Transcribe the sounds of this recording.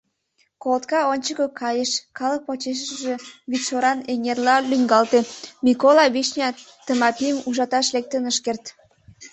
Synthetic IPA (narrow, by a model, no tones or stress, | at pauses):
kolt̪kɑonʲt͡ɕəkəkʰɑjəʃkɑlək̚pot͡ɕeʃ̬əəʒe̽βiʃoɾɑneŋerlɑlyŋɡɑlt̪emʲikolɑβiʃnʲɑ | t̪əmɑpiəmuʒɑt̪ɑʃlek̚t̪ənəʃkert̪